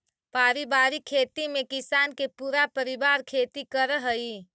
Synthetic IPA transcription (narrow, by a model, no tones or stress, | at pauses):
paːɾibaːɾikʰːeːt̪imẽkɪsaːnkepuːɾapəɾibaːɾkʰeːt̪ikəɾɦəi